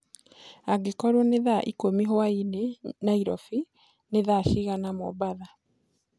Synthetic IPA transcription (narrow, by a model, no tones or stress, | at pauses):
aɡekɔɾwɔneðaʔikomiɦoainenaiɾɔfi | neðaʃiɣanamɔ̰baða